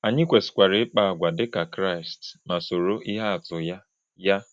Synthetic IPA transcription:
a˨ɲɪ˦kʷe˨sɪ̥˨kʷa˨ɾɪ˨˦k͡pa˨a˨ɡʷa˨dɪ˦ka˨kɾa˦˨stma˨so˨ɾo˦ʔi˦ɦa˦a˨tʊ˨ja˦ | ja˦

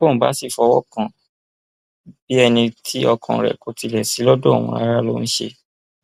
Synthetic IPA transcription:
o˦˨m̩˨ba̰˨˦si˦˨fɔ˧wɔ˦kã˨ | b̥i˦ɛ˧nĩ˧tʰi˦ɔ˧kʰɔ̰̃˨ɾɛ̰˨ko˨ti˧lɛ˨si˨˦lɔ˦do˦o̰˨w̃ɔ̃˧ɾa̰˧˦ɾa˦˨lo̰˦˧ñ̩˦ʃḛ˧

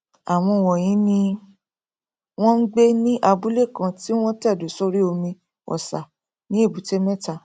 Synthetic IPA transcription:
a˨w̃ɔ̃˧˨wɔ˨j̃ĩ˨˦nĩ˧ | w̃ɔ̃˦n̩˦ɡ͡be˦nĩ˦ʔa˧bu˦le˦˨kã˧ti˦w̃ɔ̃˦ta˦˨do˨˦so˦ɾi˦o˧mĩ˧ | ɔ̰˨sa˨ | nĩ˦e˦˨bu˨˦te˦mɛ̃˦ta˨

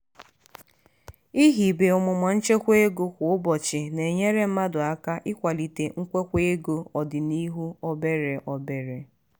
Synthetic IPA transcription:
i˦ɦi˨be˨ʊ˨mʊ˨ma˨n̩˦t͡ʃe˦kʷe˦ɡo˦kʷʊ˨ʊ˦bɔ˨t͡ʃɪ˨ne˨ɲe˦ɾe˦m̩˦ma˦dʊ˨a˦ka˦ʔɪ˦kʷa˨li˨te˨ŋ̩˦kʷe˦kʷe˦ɡo˦ɔ˨dɪ˨ni˦ɦu˦ɔ˦be˦ɾe˨ʔɔ˦be˨ɾe˨

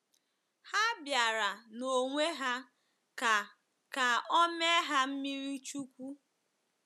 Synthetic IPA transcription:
ha˦bja˨ɾa˨no˨ŋʷe˦ɦa˦˨ | ka˨ɔ˦me˦ɦa˦m̩˦mi˦ɾi˦t͡ʃu˦kʷu˦

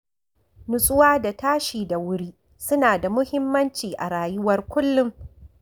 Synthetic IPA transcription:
nʊ˨sʼʊ˦waː˦da˨taː˦ʃiː˨da˨wʊ˦ɽiː˦ | sʊ˦naː˨da˨mʊ˦hɪ˦mːɐ˦nt͡ʃiː˨ʔa˨ɽaː˨jʊ˦wɐ˦rkʷʊ˦lːʊ˦m

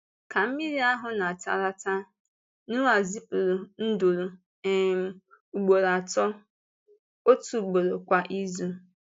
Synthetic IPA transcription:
ka˨m̩˦mi˦ɾi˦a˦ɦʊ˨na˨ta̰˨ɾa˦ta˦ | nu˦a˨zi˦pu˨ɾu˨n̩˦do˨ɾu˨ | m˨ | u˨ɡ͡bo˨ɾa˨tɔ˦ | o˦tu˨ɡ͡bo˨ɾo˨kʷa˨ʔi˦zu˦

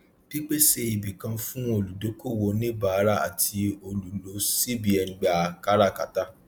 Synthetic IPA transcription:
d̥i˦k͡pe˦se˧i˨bi˨kã˧fũ˦o˧˨lu˨do˨˦ko˦˨wo˧nĩ˦ba˨˦ɾa˦a̰˨tʰi˧o˧lu˨lo˨˦si˦bi˨ɛ˨˦ɡ͡ba˨ka˦ɾa˦˨ka˨ta˦

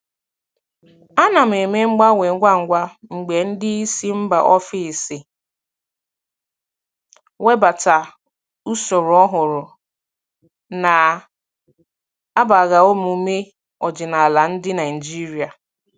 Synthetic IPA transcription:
a˦na˨m̩˨e˨me˦ŋ͡m̩˦ɡ͡ba˦we˨ŋ̩˦ɡʷa˦ŋ̩˨ɡʷa˦ŋ͡m̩˨ɡ͡be˨n̩˦dɪ˦i˦si˦m̩˦ba̰˨ʔɔ˦fi˦˨sɪ˨ | we˦ba˨ta˨ | u˦so˨ɾʊ˨ɔ˦ɦʊ˨ɾʊ˨ | na˨ | a˦ba˨ɣa˨o˦mu˨˦me˦ | ɔ˨d͡ʒɪ˨na˨la˨n̩˦dɪ˦na˨i˨d͡ʒi˦ɾi˨a˨

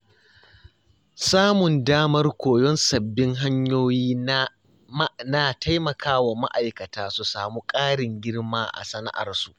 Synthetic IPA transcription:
saː˦mʊ˨ndaː˦mɐ˦rkʷoː˨jɔ˦nsɐ˨bːɪ˦ŋɦa˦ɲjoː˦jiː˦ | naː˨tʰa˦jmɐ˨kʰaː˦wa˨ma̰˦ʔa˨jkɐ˨taː˦su˨saː˨muː˦kʼaː˦ɽɪ˨ŋɡʲɪ˦ɽmaː˦ʔa̰˨sɐ˦na̰˦ʔa̰˨rsu˨ʔ

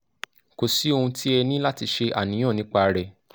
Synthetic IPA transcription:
ko˨si˨˦o˧hũ˧tʰi˦ɛ˧nĩ˦la˦ti˧ʃe˧ʔa˨nĩ˨˦ɔ̃˦˨nĩ˨˦k͡pa˧ɾɛ˨

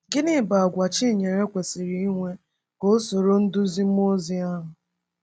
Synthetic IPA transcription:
ɡɪ˦nɪ˦˨ba˨a˨ɡʷa˨t͡ʃi˦˨ɲe˨ɾe˦kʷe˨si˨ɾi˨i˦ŋʷe˦ | ko˦so˨ɾo˦n̩˦dʊ˦zi˦m̩˦mo˦zi˦a˦ɦʊ˨

